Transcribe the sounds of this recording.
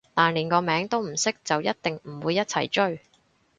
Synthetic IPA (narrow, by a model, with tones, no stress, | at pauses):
t̪aː˨nliː˨˩nkɔː˧mɛː˨˥ŋt̪o˥wm̩˨˩sɪ˥k̚t͡sɐ˨wjɐ˥t̚t̪ɪ˨ŋm̩˨˩wuː˨˧jːɐ˥t̚t͡sʰɐ̰˨˩jt͡ʃɵ˥ɥ